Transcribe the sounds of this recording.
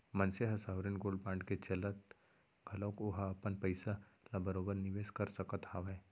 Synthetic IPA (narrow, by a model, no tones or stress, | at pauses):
mɐ̃nseɦɐsaːʊɾɪnɡoːlpãːɳɖket͡ʃɐlət̪ | ɡʱɐlõːkʊɦaɐpənpəɪsalabɐɾoːbəɾnɪʋeːskɐɾsɐkət̪haːʋɛ̃